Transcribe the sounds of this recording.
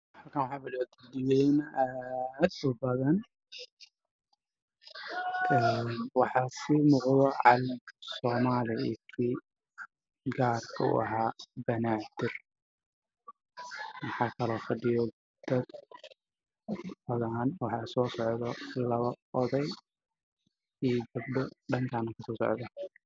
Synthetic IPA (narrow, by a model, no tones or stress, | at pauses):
hɐlkʰɐnwɑħɑːfɐɖɪjt̪dɪjɛjnɐʔad̪ʊbɐðɐn | ɛnwɑħɑsɪmuːqðɔʕɑ̰lɪɡsɔːmaːlɪɛtʰiː | ɡaːrkʰɐṵɐ̰ɦaːbɐnaːt̪ɪr | mɑħɑːkʰɐlɔːfɐɖɪjɔ | d̪̥ɐd̪ | ɐðaːnwɑħɑːsɔːsɔʕðɔlɐβɐʔɔðɛj | iːɡɐb̚ɖɔɖɐŋkʰaːnɐkʰɐsɔːsɔ̰ʕðɐ